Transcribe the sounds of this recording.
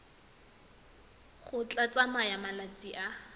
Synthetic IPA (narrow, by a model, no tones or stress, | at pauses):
χʊt͡ɬʼat͡sʼamajamalat͡sʼiʔa